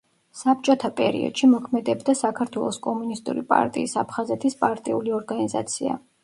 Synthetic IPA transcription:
sap̚t͡ʃʼɔt̪ʰapʼɛɾḭɔ̰d̪̥ʃimɔkʰmɛd̪ɛbd̪asakʰaɾt̪ʰwɛlˠɔskʼɔmunist̪ʼṵɾipʼa̰ɾt̪ʼiːsapʰχazɛt̪ʰispʼaɾt̪ʼiuliɔɾɡaniza̰t̪sʰia̰

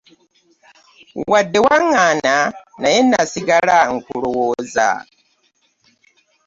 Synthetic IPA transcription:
wadːewaŋaːnanajenasiɡalaŋ̩kulowoza̰

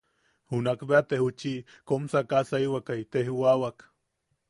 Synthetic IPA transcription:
hunakbeat̪ehut͡ʃi | komsakasaiwakait̪ehwawak

